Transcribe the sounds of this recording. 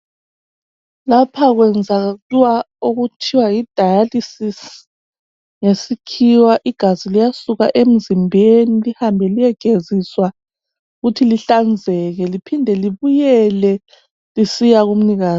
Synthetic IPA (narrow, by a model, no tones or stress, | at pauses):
lapʰaɣwɛnd͡zʱaɣɣiwa | uɣutʰiwajid̥ʱajalisis | ŋesikʰiwaʔiɡ̥ʱazilijasuɣa̰ʔem̩zimbʱenilihambʱɛlijɛɡ̥ʱeziswa | uɣutʰiliɬand͡zʱɛɣɛlipʰindʱɛliβujɛlɛ | lisijaɣum̩niɣaːz